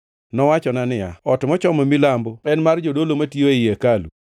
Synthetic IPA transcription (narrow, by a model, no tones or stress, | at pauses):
nɔwat͡ʃɔnanɪja̰ɔtmɔt͡ʃɔmomilamboɛnmard͡ʒodolomatioejekalṵ